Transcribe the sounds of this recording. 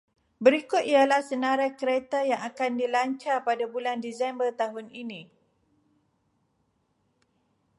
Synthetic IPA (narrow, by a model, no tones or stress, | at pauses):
bəɾikʊt̪̚ialahsənãɾakəɾet̪ajaŋakandilaɲt͡ʃarpadabulandizsɛmbərt̪aɦʊninĩ